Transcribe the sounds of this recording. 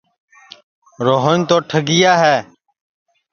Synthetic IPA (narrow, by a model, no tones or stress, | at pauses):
ɾoːɦənt̪oːʈʰəɡɪjaːɦɛː